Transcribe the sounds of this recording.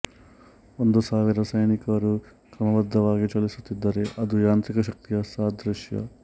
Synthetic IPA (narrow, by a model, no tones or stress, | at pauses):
ond̪usaːʋiɾɐsɐjnikɐɾu | kɾɐmɐbɐd̪ʱːɐʋaːɡit͡ʃɐlːisut̪ːid̪ːɐɾe̞ʔɐd̪ujaːnt̪ɾikɐʃɐk̚t̪ijɐsaːd̪ʱɾuʃjɐ̰